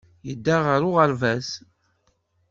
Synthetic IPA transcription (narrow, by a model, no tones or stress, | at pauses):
jəd̪ːaʁəɾʊʁəɾvæs